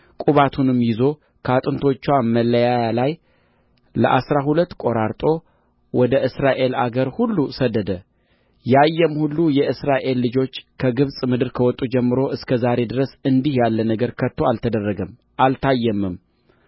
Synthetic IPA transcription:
kʼuβat̪ʰunɨmːjɪzo̞ | kʰəat̪ʼɨnt̪ʰo̞t͡ʃːwaməlːəjajalaj | ləʔa̰sɾaɦulət̪ːkʼo̞ɾaɾt̪ʼo̞ | wɔd̪əʔɨsɾaʔe̞laɡəɾhulːusəd̪ːəd̪ə | jajːɛmhulːujɛʔɨsɾaʔe̞lːɨd͡ʒo̞t͡ʃːkʰəɡɨβsʼmɨd̪ɨɾkʰəwɔt̪ʼːud͡ʒɛmːɨɾo̞ʔɨskʰəzaɾe̞d̪ɨɾəsɨnd̪ihjalːənəɡəɾkʰət̪ʰːoalt̪ʰəd̪ərːəɡəm | ʔalt̪ʰajːɛmːɨm

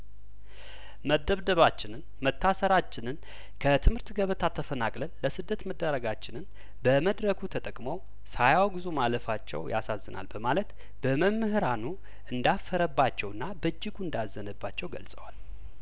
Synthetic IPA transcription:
məd̪ːəβd̪əβat͡ʃːɪnɨn | mət̪ʰːasəɾat͡ʃːɪnɨn | kʰət̪ʰɨmhɨɾt̪ɡəβət̪ʰat̪ʰːəfənakʼləlːəsɨd̪ːət̪məd̪ːəɾəɡat͡ʃːɪnɨn | bəməd̪ɾəkʰut̪ʰət̪ʼəkʼmow | sajawɡɨzumaləfat͡ʃːɛ̰wja̰sazːɨna̰lbəmalət̪ | b̥əməmːɨhɨɾanu | ɨnd̪afːəɾəbːat͡ʃːɛwɨnːabəd͡ʒːɪɡund̪azːənəbːat͡ʃːɛwɡə̰lsʼəwal

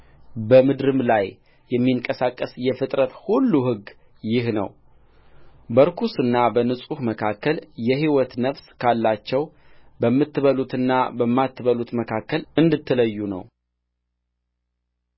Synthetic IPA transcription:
bəmɨd̪ɾɨmlaj | jɛmːiŋkʼəsakʼːəsjɛfɨt̪ʼɾət̪hulːuɦɨɡ | jɪhnə̰w | bəɾkʰusɨnːabənɨsʼuhməkʰakːəljɛhiwɔt̪nəfskʰalːat͡ʃːɛwbəmːɨt̪ːɨβəlut̪ɨnːabəmːat̪ːɨβəlut̪məkʰakːəlɨnd̪ɨt̪ʰːɨləjːunə̰w

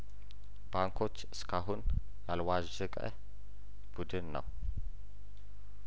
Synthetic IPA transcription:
baŋkʰo̞t͡ʃːɨskʰaɦun | jalwaʒɛkʼə̰ | b̥ud̪ɨnːə̰w

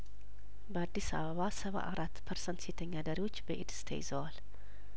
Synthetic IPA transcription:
bəad̪ːisa̰βəβasəβa̰ʔaɾʔat̪ːpʰəɾsənt̪set̪ʰəɲːad̪əɾiwo̞t͡ʃːbəʔid̪ɨ̥st̪ʰḛjɪzəwal

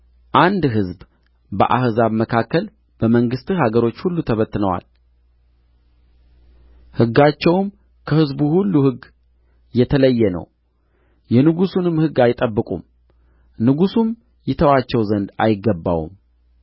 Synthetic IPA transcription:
ʔand̪ɦɨzb | bə̰ʔahzaβməkʰakːəl | b̥əməŋɡɨst̪ɨhaɡəɾo̞t͡ʃːhulːut̪ʰəβət̪ːɨnəwa̰l | hɨɡːat͡ʃːɛwm | kʰəhɨzbuhulːuhɨɡ | jɛt̪ʰələjːɛnə̰w | jɛnɨɡusunɨmhɨɡːajɪt̪ʼəbːɨkʼṵm | nɨɡusum | jɪt̪ʰəwat͡ʃːɛwzənd̪a̰jɪɡːəbːa̰wṵm

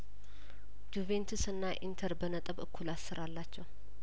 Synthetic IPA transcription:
d̪̥uvent̪ʰusɨnːaʔint̪ʰəɾbənət̪ʼəβɨkʰːulasːɨɾalːat͡ʃːɛw

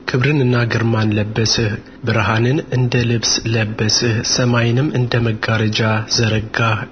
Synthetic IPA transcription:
kʰɨβɾɨnɨnːaɡɨɾmanləbːəsɨh | bɨɾɦanɨnɨnd̪əlɨβsləbːəsɨhsəmajɪnɨmːɨnd̪əməɡːaɾəd͡ʒazəɾəɡa

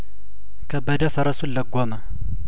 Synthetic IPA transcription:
kʰɐbɐd̪ɐfɐɾɐsulːɐɡʷːomɐ

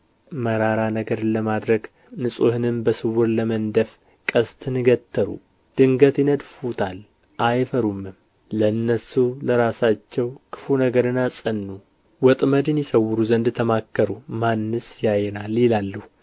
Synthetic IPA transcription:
məɾaɾanəɡəɾləmad̪ɾəɡ | nɨsʼohɨnɨmbəsɨwʊɾləmənd̪əf | kʼəst̪ʰɨnɨɡət̪ʰːəɾṵ | d̪̥ɨŋɡət̪jɪnəd̪fut̪ʰal | ʔajfəɾumːɨm | ləɨnːəsuləɾasat͡ʃːɛwkʰɨ̥funəɡəɾɨnasʼənːu | wɔt̪ʼməd̪ɨnjɪsəwʊɾuzənd̪t̪ʰəmakːəɾumanːɨsjajːɛnaljɪlalːuh

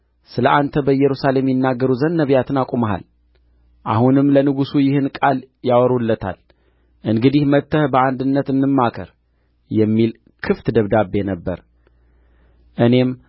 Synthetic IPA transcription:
sɨləʔant̪ʰəbəjːɛɾusale̞mjɪnːaɡːəɾuzənːəβjat̪ʰɨnakʼuməɦa̰l | ʔa̰hunɨmːlənɨɡusujɪhɨnkʼal | jawɔɾulːət̪ʰa̰l | ʔɨŋɡɨd̪ihmət̪ʰːəhbəand̪ɨnːət̪ɨnːɨmːakʰə̰ɾ | jɛmːil | kʰɨft̪d̪əβd̪abːe̞nəbːəɾ | ʔɨne̞m

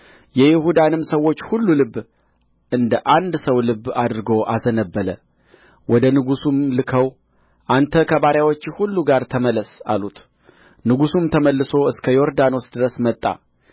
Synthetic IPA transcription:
jɛjɪhud̪anɨmsəwːo̞t͡ʃːhulːulɨbː | ʔɨnd̪əʔand̪səwlɨbːad̪ɨɾɨɡo̞ʔazənəbːələ | wɔd̪ənɨɡusumlɨkʰəw | ʔant̪ʰəkʰəβaɾjawot͡ʃːhulːuɡaɾt̪ʰəmələsa̰lut̪ | nɨɡusumt̪ʰəməlːɨso̞ɨskʰəjo̞ɾd̪ano̞sd̪ɨɾəsmət̪ʼːa̰

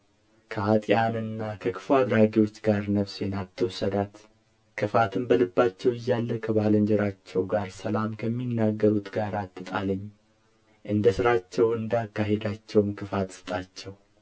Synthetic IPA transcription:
kʰəat̪ʼjanɨnːakʰəkʰɨ̥fuad̪ɾaɡiwo̞t͡ʃːɡaɾnəβsjɛnat̪ʰːəwʊsəd̪at̪ | kʰɨfat̪ʰɨmbəlɨbːat͡ʃːɛwɨjːalːəkʰəβaləɲd͡ʒɛɾat͡ʃːɛwɡaɾsəlamkʰəmːinːaɡːəɾut̪ɡaɾat̪ʰːɨt̪ʼaləɲː | ʔɨnd̪əsɨɾat͡ʃːɛwɨnd̪akːaɦed̪at͡ʃːɛwmkʰɨfat̪sɨ̥t̪ʼat͡ʃːɛw

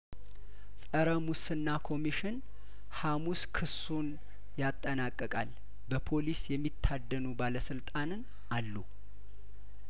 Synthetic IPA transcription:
sʼəɾəmusɨnːakʰo̞miʃɪn | hamuskʰɨs | un | jat̪ʼːənakʼːəkʼal | bəpʰo̞lisjɛmːit̪ʰːad̪ːənubaləsɨlt̪ʼanɨn | ʔalːu

